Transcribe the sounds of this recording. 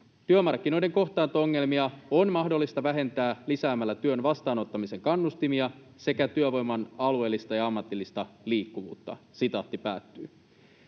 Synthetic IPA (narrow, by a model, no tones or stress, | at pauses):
t̪yømɑrk̟ːino̞jde̞ŋko̞ht̪ɑːnt̪ooŋːe̞lmiɑonmɑhdo̞lːist̪ɑʋæɦe̞nt̪æːlisæːmælːæt̪yønʋɑst̪ɑːno̞t̪ːɑmise̞ŋkɑnːust̪imiɑ | se̞kæt̪yøʋo̞jmːɑnɑlue̞ːlːist̪ɑjɑɑmːɑt̪ilːist̪ɑliːkːuʋṵːt̪ːɑ̰sit̪ɑht̪ipæːt̪ːyː